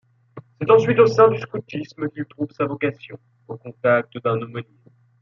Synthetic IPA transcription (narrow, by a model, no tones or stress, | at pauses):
sɛt̪ɑ̃sɥit̪osɛ̃d̪yskut̪isməkʲilt̪χuvsavɔkasjɔ̰̃ | okɔ̃t̪ak̚t̪əd̪ɛ̃nomone